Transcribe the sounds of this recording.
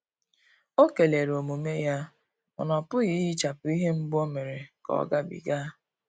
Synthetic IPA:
o˦ke˨le˨ɾo˨mu˨me˦ja˦ | ɔ̰˨nɔ˨pʊ˦ɣi˦i˦t͡ʃa˨pʊ˨i˦ɦe˦m̩˦bo˦me˨ɾe˨kɔ̰˨˦ɡa˦bḭ˨ɡa˦

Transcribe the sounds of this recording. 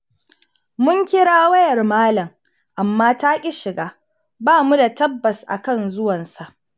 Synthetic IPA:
mʊ˦ŋkʲɪ˦ɽaː˦wɐ˦jɐ˨rmaː˦lɐ˨ŋ | ʔa˨mːaː˦taː˦kʲʼi˦ʃɪ˨ɡaː˦ | baː˦mu˦da˨tɐ˦bːɐ˨sʔa̰˨kɐ˦nzʊ˦wɐ˨nsa˨ʔ

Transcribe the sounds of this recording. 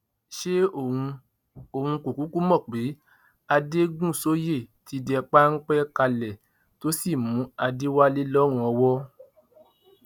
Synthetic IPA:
ʃe˦õ˨˧ | o˨hũ˧ko˨ku˨˦ku˦mɔ̃˦˨k͡pe˨˦ | a˧de˦ɡũ˦˨so˦je˦˨ti˨˧˦dɛ˧k͡pa˦ŋ̩˦k͡pɛ˦ka˧lɛ˨ | to˨˦si˦˨mũ˨˦a˧de˦wa˦le˦lɔ˦ɾ̃ũ˦ɔ˧wɔ˦

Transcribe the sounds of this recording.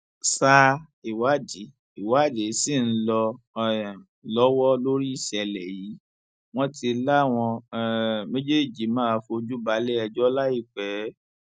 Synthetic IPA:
sa˧ | i˨wa˨˦di˨˦ | i˨wa˨˦˨de˨˦si˦˨n̩˦lɔ˧ | ɛ̃˨ | lɔ˦wɔ˦lo˦ɾi˦i˦˨ʃɛ˧lɛ˨ji˨˦ | w̃ɔ̃˦tʰi˧la˦˨w̃ɔ̃˧ | mẽ˦d͡ʒe˦˨d͡ʒi˨˦mãː˦˧fo˧d͡ʒu˦ba˨˦le˦ɛ˧d͡ʒɔ˦la˦i˦˨k͡pɛ˨˦

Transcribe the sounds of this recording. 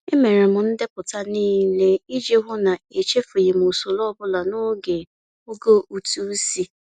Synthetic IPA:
e˦me˨ɾe˨mʊ˨n̩˦dɪ˦pʊ˨ta˦niː˦le˦i˦d͡ʒe˦ɦʊ˦na˨e˨t͡ʃe˦fo˨je˨m˨o˨so˨lɔ˦bʊ˦la˨no˦ɡe˨ | o˦ɡo˦ʔu˨tu˦si˦

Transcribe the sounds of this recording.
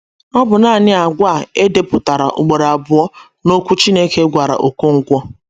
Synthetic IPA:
nɔ˦bʊ˨na˦˨nɪ˦a˨ɡʷa˦˨e˦de˦pʊ˨ta˨ɾa̰˨ʔʊ̰˨ɡ͡be˨ɾa˨bʊ˨ɔ˦ | no˦kʷu˦t͡ʃi˦ne˦ke˦ɡʷa˨ɾa̰˨ʔo˨ko˦ŋ̩˦kʷɔ˦

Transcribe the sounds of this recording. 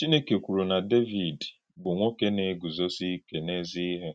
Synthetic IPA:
t͡ʃi˦ne˦ke˨kʷu˨ɾu˨na˨de˦vi˨d | bʊ˨ŋʷo˦ke˦ne˨˦ɡu˨zɔ˦si˦ke˨ne˦zi˦ɦe˦

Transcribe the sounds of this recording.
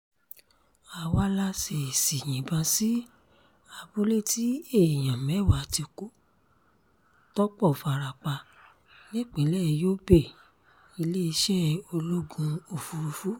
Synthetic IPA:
a˨wa˧˦la˦se˨si˨j̃ĩ˨˦bã˧si˦ | a˧bu˦le˦˨ti˦e˦˨j̃ã˨mɛ˨˦˨wa˨˦˨ti˧ku˦ | tɔ˦k͡pɔ˦˨fa˨ɾa˨k͡pa˧ | nĩ˦˨k͡pĩ˨˦lɛ˦˧joː˦be˦˨ | i˧le˦i˧ʃɛ˦o˧lu˦ɡũ˧o˨fu˧u˧fu˦

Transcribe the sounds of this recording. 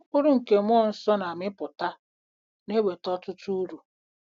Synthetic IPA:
kʊ˦ɾʊ˦ŋ̩˨ke˨mʷɔ˦˨n̩˨sɔ˦na˨mɪ˦pʊ˨ta˦ | ne˦we˨tɔ˦tʊ˦tu˦u˦ɾu˨

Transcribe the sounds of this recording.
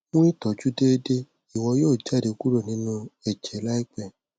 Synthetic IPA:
mũ˦ĩ˦tɔ˨d͡ʒu˦de˦de˦ | i˦˨wɔ˧joː˦˨d͡ʒa˦˨de˧ku˦ɾo˦˨nĩ˨˦nũ˦ɛ˦˨d͡ʒɛ˨˦la˦i˦k͡pɛ˨

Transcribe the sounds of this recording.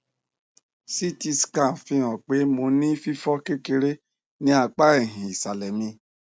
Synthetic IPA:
si˦ti˦˧skã˦˨fĩ˧˦ɔ̃˨k͡pe˨˦mo˧nĩ˦fi˦fɔ˦ke˦ke˧ɾe˦ | nĩ˦a˧˨k͡pa˦ɛ˦˨ɦĩ˨i˨sa˨lɛ˨mĩ˧

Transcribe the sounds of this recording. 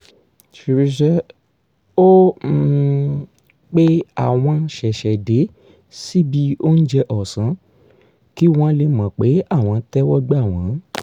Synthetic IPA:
ʃi˧ɾi˧ʃɛ˦ | o˦˧˦ | k͡pe˦a˦˨w̃ɔ̃˧ʃɛ˨ʃɛ˨de˨˦ | si˦bi˧o˦n̩˦d͡ʒɛ˧ʔɔ˨sã˨˦ | ki˦w̃ɔ̃˦le˧mã˨k͡pe˨˦a˦˨w̃ɔ̃˧˦tɛ˦wɔ˦ɡ͡ba˦˨w̃ɔ̃˨˦

